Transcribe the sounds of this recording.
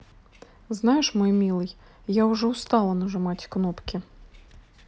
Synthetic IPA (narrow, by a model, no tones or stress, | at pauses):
znɑjeʃmɔjmʲilˠɪj | jaʊʒɛʊst̪ɑlˠɐnɐʒemɑtʲknɔpkʲɪ